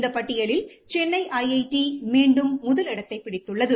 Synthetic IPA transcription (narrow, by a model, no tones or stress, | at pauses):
nd̪ɐpɐʈːɪjɐlɪlt͡ʃɛnːɐɪʔɐjɐɪʈimiːɳɖɯmːʊðɐlɪɽɐt̪ːɐɪpːɪɽɪt̪ːɯɭːɐðɯ